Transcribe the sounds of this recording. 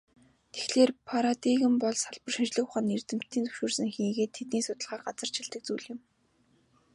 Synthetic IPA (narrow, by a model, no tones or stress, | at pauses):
t̪e̥xɮeːrpʰaɾat̪iɣɘ̆mpɔɮsaɮpə̆rʃint͡ɕɮɘ̆xʊχaːnert̪ɘ̆m̥t̪ʰːiːnt͡sɵ̥wʃuːrsɘ̆ŋxiːɣeːt̪ʰːet̪niːsʊt̪ə̆ɮʁχaːɢat͡sə̆r̥t͡ɕʰɪɮt̪ə̆k̚t͡sujɮɪ̆m